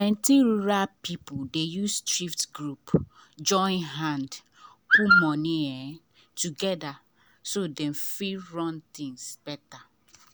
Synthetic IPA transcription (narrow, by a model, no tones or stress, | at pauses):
ɛ̃ntiɹuɹapʰipʊdejustɹiftɡɹupd͡ʒɔ̃ɪ̃nɦãnd | kumɔ̃niɛ | tuɡɛda | sodɛ̃mfiɹɔ̃nt̪ĩŋsb̥ɛta